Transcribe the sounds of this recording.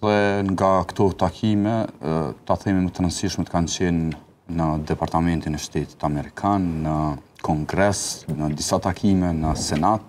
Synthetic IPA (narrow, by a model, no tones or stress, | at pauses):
ðɛŋɡakt̪ɔt̪akʰimɛt̪aθɛmimət̪əɾansiʃmɛt̪ə̥kant͡ɕɛnː | əd̪ɛpaɾt̪amɛnt̪inɛʃt̪ɛt̪i̥t̪amɛɾikʰanːəkʰɔŋɡɾɛsnəd̪isat̪akʰimɛnəsɛnat̪̚